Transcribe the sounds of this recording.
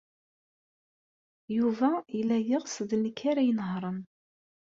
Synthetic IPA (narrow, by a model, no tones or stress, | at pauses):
juvæjəlːæjəʁsəðnəkʰːaɾajənɦɾˤəm